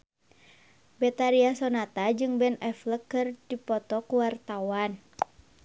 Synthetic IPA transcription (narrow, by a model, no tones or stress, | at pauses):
bɛt̪aɾiasɔnat̪ad͡ʒɨŋbɛnɛfləkːɨrd̥ipɔt̪ɔkuwart̪awan